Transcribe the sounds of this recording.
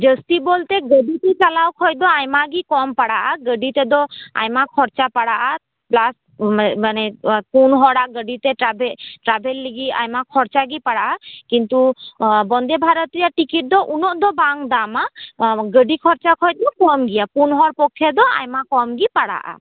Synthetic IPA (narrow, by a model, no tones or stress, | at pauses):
d͡ʒəst̪ibɔlt̪ɛɡəɖit̪ɛt͡ʃalawkʰɔjd̪ɔajmaɡikɔmpaɽaʔaɡəɖit̪ɛd̪ɔa̰jmakʰɔɾt͡ʃapaɽaʔa | plas | manɛpunɦɔɽaʔɡəɖit̪ɛabɛʈɾabʱelːiɡia̰jmakʰɔɾt͡ʃaɡipaɽaʔakint̪ubɔnd̪ɛbʱaɾɔt̪ijaʈikiʈ̚d̪ɔʔunɔʔd̪ɔbaŋd̪amaɡəɖikʰɔɾt͡ʃakʰɔjd̪ɔkɔmɡijapunɦɔɽpɔkʰːɛd̪ɔa̰jmakɔmɡipaɽa̰ʔa̰